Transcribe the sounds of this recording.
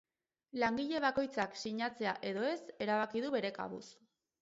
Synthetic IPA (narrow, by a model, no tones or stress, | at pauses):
laŋɡiʎe̞β̞ako̞jt͡saksiɲat͡se̞aʔe̞ðo̞e̞se̞ɾaβakiðuβe̞ɾe̞ka̰βṵs